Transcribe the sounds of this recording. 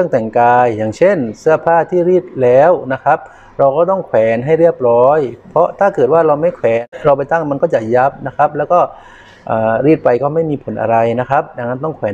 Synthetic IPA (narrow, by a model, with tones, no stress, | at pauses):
ɯ˥˩əŋt̪ɛ˨˩ŋkaː˧jːaː˨˩ŋt͡ɕʰe˥˩nsɯ˥˩ɐpʰaː˥˩t̪ʰiː˥˩ɾiː˥˩t̪̚lɛː˦˥wna˦˥kʰa˦˥p̚ | ɾa˧wkɔː˥˩t̪ɔ˥˩ŋkʰwɛː˨˩˦nɦa˥˩jɾi˥˩əp̚ɾɔː˦˥jpʰɔ˦˥t̪ʰaː˥˩kɤː˨˩t̪̚waː˥˩ɾa˧wma˥˩jkʰwɛː˩˦nɾa˧wp̬a˧jt̪a˥˩ŋma˧nkɔː˥˩t͡ɕa˨˩ja˦˥˩p̚na˦˥kʰa˦˥p̚lɛː˦˥wkɔː˥˩ | ʔaː˨˩ɾiː˥˩t̪̚pa˧jkɔː˥˩ma˥˩jmiː˧pʰo˩˦nʔa̰˧ɾa˧jna˦˥kʰa˦˥p̚da˧ŋːa˦˥nt̪̬ɔ˥˩ŋkʰwɛː˩˦